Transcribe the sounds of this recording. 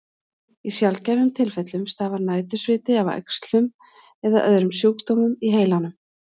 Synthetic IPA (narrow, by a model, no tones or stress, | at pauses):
isjalcavʏmt̪ʰɪlfɛt̪lʏmst̪aːvaɾnaːjt̪̬ʏsvɪːt̪ɪavɛ̰kst̪lʏm | ɛðaʔœ̰ðɾʏmsjoːkt̪oːmʏmiɦeːjlanʏm